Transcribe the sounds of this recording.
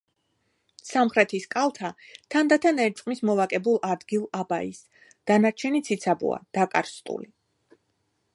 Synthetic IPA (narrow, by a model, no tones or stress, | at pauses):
samχɾɛt̪ʰiskʼalˠt̪ʰat̪ʰand̪at̪ʰanɛɾt͡ʃ̪ʼqʼmismɔvakʼɛbulˠad̪ɡilˠaba̰is | d̪̥anaɾt͡ʃʰɛnit̪sʰit̪sʰabṵa̰d̪̥akʼa̰ɾst̪ʼṵli